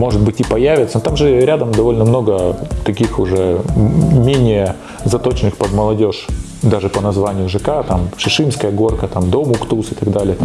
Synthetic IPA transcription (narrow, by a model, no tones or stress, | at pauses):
mo̞ʐɨd̪̚bɨtʲɪpɐjævʲɪt̪sənt̪amʐɨɾʲad̪əmd̪ɐvo̞lʲnəmno̞ɡət̪ɐkʲixʊʐɛ | mʲenʲɪjə | zɐt̪o̞t͡ɕɪnɨxpəd̪məlˠɐdʲo̞ʂ | d̪aʐɨpənɐzvanʲɪjʊʐɨkat̪amʂɨʂɨmskəjəɡo̞rkət̪amd̪omʊkt̪usɨt̪ɐɡd̪alʲɪjə